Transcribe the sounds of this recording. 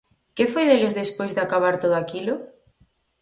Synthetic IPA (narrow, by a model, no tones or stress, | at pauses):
kefojðelezðespojzðɪakaβ̞aɾt̪oðoakilʊ